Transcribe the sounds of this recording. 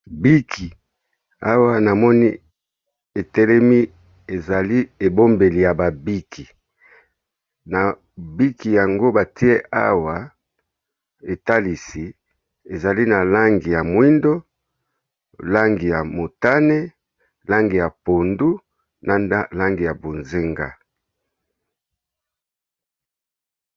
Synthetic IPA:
bi˦kʰi˨ | a˦wa˦na˨mɔ˦ni˦ | e˨tɛ˦lɛ˦mi˦ | e˨za˨li˦e˨bo˦mbe˨li˨ja˨ba˨bi˦kʰi˨ | na˨ | bi˦ki˨ja˨ŋɡo˦ba˨ti˦e˦ʔa̰˦wa˨ | e˨ta˦li˨si˨ | e˨za˨li˦na˨la˦ŋɡi˨ja˨mwi˦ndo˦ | la˦ŋɡi˨ja˨mo˨ta˦ne˦ | la˦ŋɡi˨ja˨po˨ndu˦ | nʔa˦nda˦la˦ŋɡi˨ja˨bo˨nze˦ŋɡa̰˦

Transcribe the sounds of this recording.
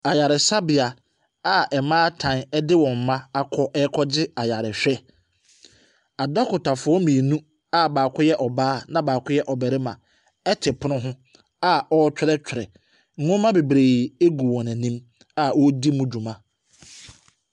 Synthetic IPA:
a˨ja˨ɾɪ˨sa˦bɪ˨a˨ | a˨ʔɛ˨mãː˦tʰã˨nɛ˦dɪ˦wɔ̃˨m˨mã˦a˨kʰɔ˦ʔɛ˦kʰɔ˦d͡ʑɪ˦a˨ja˨ɾɪ˨ɕᶣɛ˦ | a˨dɔ˦kʰʊ˨tʰa˨fʊ˨˦ɔ˦mĩ˨e˨nũ˦ | a˦baː˨kʰʊ˦jɛ˦ʔɔ˨baː˦nã˦baː˨kʰʊ˦jɛ˦ʔɔ˨bæ˨ɾɪ˦mã˨ | ɛ˦tʰɪ˨pʰʊ˦nʊ̃˦ɦʊ̃˦ | a˦ɔ˦t͡ɕʰᶣʊ˦ɾɛ˦t͡ɕᶣʰɾɛ̰˨ | ŋ̩˦ʊ̃˦mã˦be˨bɾe˨e˦ɡu˨wɔ̃˨næ̃˨nĩ˦m | a˦wɔ˦di˦mũ˦d͡ʑũ˨mã˨

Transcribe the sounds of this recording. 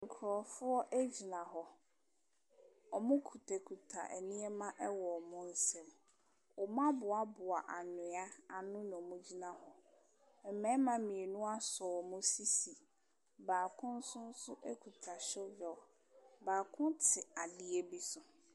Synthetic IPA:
ŋ̩˨kʰɾɔ˨fʊ˦ɔ˦ʔæ˦d͡ʑi˨nã˨ɦɔ˨ | ɔ˨mʊ̃˦kʰu˨tʰɛ˨kʰu˨tʰa̰˨ʔɛ˨nĩ˦ɛ˦mã˦ʔɛ˦wɔ˨mʊ̃˦n̩˦sɛ̃˦m | ɔ˨m˦ã˦bʊ˨a˨bʊ˨a˨ʔa˨nʊ̃˨a˦a˨nʊ̃˦ñ˨ɔ˨mʊ̃˦d͡ʑi˦nã˨hɔ˨ | m̩˨mɛ̃˦mã˨mĩ˨e˨nũ˦a˦sɔ˨mʊ̃˦si˦si˨ | baː˨kʰʊ̃˦n̩˦sʊ̃˦n̩˦sʊ˦ʔɛ˦kʰu˨tʰa˨ɕɛ˦vɛ˨ | baː˨kʰʊ̃˦tʰɪ˨a˨dɪ˨e˦bi˦sʊ˨

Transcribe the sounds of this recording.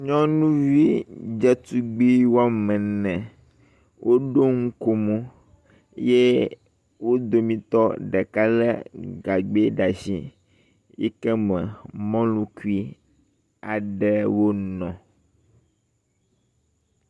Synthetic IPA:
ɲɔ̃˦nũ˦vi˦d͡ʒɛ˦t̪u˦ɡ͡bi˦wo˦a˦mɛ̃˨nɛ̃˨ | wʔo˦ɖo˦ŋ̩˦ko˦mũ˦ | je˦ | wo˦d̪o˨mĩ˨t̪ɔ˦ɖɛ˨ka˦lɛ̰˦ɡa˨ɡ͡be˦ɖa˨zi˦ | jḛ˦kɛ˦mɛ̃˨mɔ̃˦lũ˦ku˦i˦ | a˨ɖɛ˦wo˦nɔ̃˨

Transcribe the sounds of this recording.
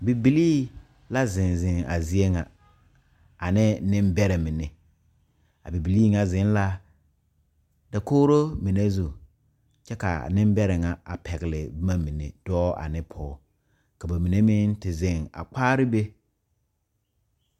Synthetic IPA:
bi˨bi˨liː˦ | la˦zɪ̃˨n˨zɪ˨ŋa̰˨zi˦e˦ŋa˨ | a˨nɪ˦nɪ̃˦mbɛ˦ɾɪ˨mɪ˨ne˨ | a̰˨bi˨bi˨liː˦ŋa˦˨zɪ̃˨˦n˦la˦ | da˨koː˦ɾo˦mi˨ne˦zu˨ | t͡ʃɛ˦ka̰˨nɪ˦mbɛ˦ɾɪ˨ŋa˨a̰˨pʰɛ˨ɡɪ˨lɪ̰˨bma˦mi˨nḛ˨d̥ɔː˦a̰˨nɪ˦pʰɔː˦ | ka˨ba˨mi˨ne˦mɪ̃˦ntɪ˨zɪ̃˨ŋa̰˨k͡paː˦ɾɪ˦be˦

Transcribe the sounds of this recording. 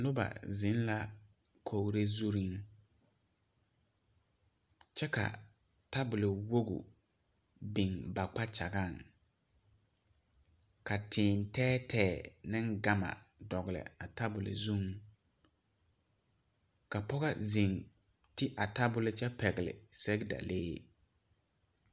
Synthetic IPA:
nʊ˦ba̰˨zɪ˨˦n˦la˦ | kʰo˨wɾe˦zu˦ɾi˦ŋ | t͡ʃɛ˦ka̰˨ | ta˦bʊ˨lɪ˨wo˦ɡṵ˨ | bi˨ŋba˨k͡pa˦t͡ʃa˨ɡa˦˨ŋ | ka˨tʰɪː˨ntɛː˦tʰɛː˦˨nɪ̃˦ŋɡa˦ma̰˨ | dɔ˨ɣɪ˨lɪ̰˨a˨ta˦bʊ˨lɪ̰˨zũ˦ŋ | ka˨pɔ˦ɣa̰˦zi˨ŋ | tɪ˦ʔa˨ta˦bʊ˦lɪ˦t͡ʃɛ˦pɛ˨ɣɪ˨lɪ̰˨sɛ˦ɡda̰˨leː˦

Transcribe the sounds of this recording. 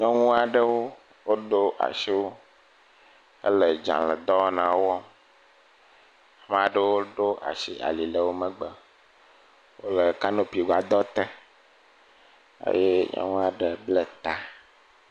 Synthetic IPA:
ɲɔ̃˦ŋũ˦a˨ɖə˦wo˦ | wo˦ɖo˦ʔa̰˨ʃi˦wo˦ | ə̰˦lə˨d͡ʒã̰˨lə˨d̪ɔ˦nã˨wɔ˦ | a˨m˦˨a˨ɖə˦wo˦ɖo˦ʔa̰˨ʃi˦a̰˨li˨lə˨wo˦mə̃˦ɡ͡bə˨ | wo̰˦lə˨ka˦nõ˦pi˨ɡa˨d̪ɔ˦t̪ɛ˦ | ḛ˦je˦ɲɔ̰̃˦ŋũ˦a˨ɖə˨ble˦t̪a˨

